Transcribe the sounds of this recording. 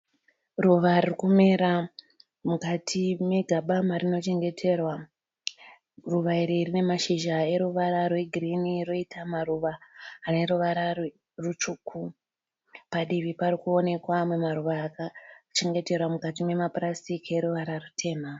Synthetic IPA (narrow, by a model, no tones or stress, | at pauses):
ruʋaririkume̞ɾa | mukatʰime̞ɡʱaɓamarino̞t͡ʃe̞ŋɡe̞tʰe̞rwa | ruʋaiɾiːrine̞maʃiʒae̞ɾuʋaɾarwe̞ɡʱiriniɾoitʰamaruʋaːne̞ɾuʋaɾar | rut͡ʃuːkʰu | paɗiʋipaɾikuo̞ne̞kwamwemaɾuʋaːkat͡ʃe̞ŋɡe̞te̞rwamukat̬ime̞mapurasikie̞ɾuʋaɾarutʰe̞ːma